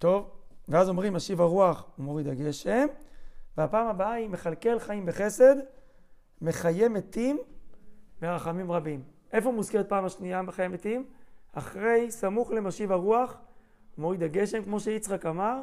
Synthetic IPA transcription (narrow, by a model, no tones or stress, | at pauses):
t̪o̞vveazomʁimːaʃivaʁuaχumo̞ʁid̪aɡe̞ʃe̞mveapaːmabaaimeχalke̞lχaimbeχe̞se̞d̪ | me̞χajemet̪im | beʁaχamimʁabimʔe̞fo̞umuzke̞ʁet̪̚paːmaʃniameχajemet̪ima̰χʁe̞jsamuχle̞maʃivaʁuaχ | umo̞ʁid̪aɡe̞ʃemkmo̞ʃeit͡sχakamaʁ